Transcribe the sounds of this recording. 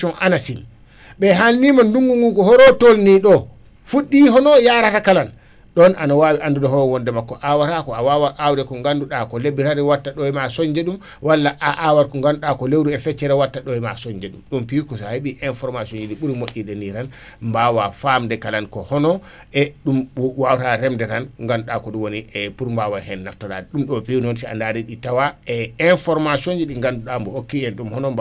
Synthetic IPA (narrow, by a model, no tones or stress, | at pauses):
ɔʔanasil | ɓɛɦalnimanduŋɡuŋɡukɔhɔɾɔtolniɗɔ | fuɗːiɦɔnɔjaɾatakalan | ɗɔnʔanawaːwiʔandudɔhɔɾɔwɔndɛmakːɔʔawaɾakɔawawaʔawdɛkɔŋɡanduɗakɔlebiɾaɾɛwatːaɗɔɛmasɔɲd͡ʒɛɗum | walːaʔaʔawaɾkɔŋɡanduɗakɔlewɾuɛfɛt͡ʃːɛɾɛwatːaɗɔɛmasɔɲd͡ʒɛɗumɗumpiwkɔsaheɓiʔɛnfɔɾmasiond͡ʒiɗiɓuɾimoɗiɗɛniɾan | mbawafamdɛkalankɔhɔnɔ | ʔɛɗumwawtaɾɛmdɛɾanŋɡanduɗakɔɗumwoniɛpuɾmbawahɛnːaftɔɾa̰dɛɗumɗɔpiwnɔnsia̰ndaɾiɗitawaɛɛnfɔɾmasond͡ʒiɗiŋɡanduɗambɔhokːiɛnɗumhɔnɔmb